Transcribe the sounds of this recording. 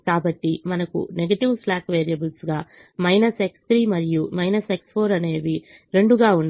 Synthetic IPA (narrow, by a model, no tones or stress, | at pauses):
kaːbɐʈːimɐnɐkṵneɡɐʈiʋslaːkʋeːɾijɐbulsɡaː | mɐjnɐse̞kst̪ʰɾiːmɐɾijumɐjnɐse̞kspʰo̞ːɾɐne̞ːʋi | ɾe̞ɳɖuɡaːunː